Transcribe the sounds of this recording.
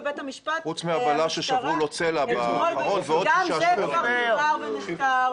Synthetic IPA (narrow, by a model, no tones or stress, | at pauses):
betamiʃpaχut͡smiabalaʃeʃavʁulot͡selabaʁonveodʃa | avenia